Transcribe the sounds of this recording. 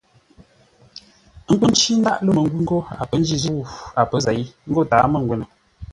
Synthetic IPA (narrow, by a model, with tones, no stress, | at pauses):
ŋ̩˦k͡pə˦n̩˦t͡ʃi˦n̩˦da̰˦ʔlə˦˨mə˨ŋ̩˦ɡwu˦ŋ̩˦ɡo˦a̰˨pə˦n̩˦d͡ʒi˦˨zu˦a˨pə˦za˨i˦ŋ̩˦ɡo˦taː˨˦mə˦˨ŋɡwe˨nə˨